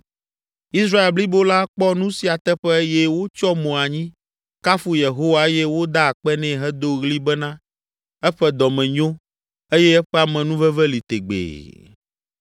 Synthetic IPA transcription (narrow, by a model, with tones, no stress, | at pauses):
i˦sɾa˦e˨lbli˦bo˦la˦k͡pɔ˦nũ˦si˨a˨t̪ɛ˦ɸɛ˦jɛ˦wo˦t͡ʃɔ˦mõ˨a˨ɲĩ˦ | ka˦fu˦je˨ɦo˦wa˨e˦jɛ˦wo˦d̪a˦a˨k͡pɛ˦nɛ̃˦ɦɛ˦d̪o˦ɣli˦bɛ˦nã˦ | ɛ˦ɸɛ˦d̪ɔ˨mɛ̃˨ɲõ˦ | e˦jɛ˦ɛ˦ɸɛ˦a˨mɛ̃˨nũ˦vɛ˦vɛ˦li˨t̪e˨ɡ͡bḛː˨